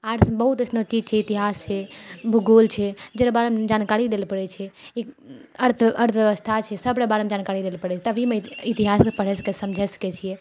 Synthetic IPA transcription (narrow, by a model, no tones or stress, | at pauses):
aɾbəɦut̪əsʰnot͡ʃid͡ʒt͡ʃʰɛit̪iɦast͡ʃʰɛbʱuɡolt͡ʃʰɛd͡ʒeɾabaɾmd͡ʒankaɾilelpəɽɛt͡ʃʰɛiəɾt̪ʰəɾt̪ʰʋjəʋəst̪ʰat͡ʃʰɛsəbɾəbaɾəmd͡ʒankaɾilelpəɽɛt͡ʃʰɛt̪əbimeit̪iɦaspəɽ̤ɛsə̥kesəmd͡ʒʱɛsə̥kɛt͡ʃʰiɛ